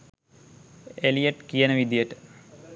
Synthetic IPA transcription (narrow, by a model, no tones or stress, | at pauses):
elijeʈkijɐnəʋid̪ijeʈə